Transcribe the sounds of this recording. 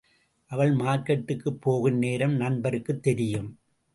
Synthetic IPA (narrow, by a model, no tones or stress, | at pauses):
ʔɐʋɐɭmaːɾkɐʈːɯkːɯpːoːɣɯnneːɾɐmnɐnbɐɾɯkːɯt̪ːɛɾɪjɯm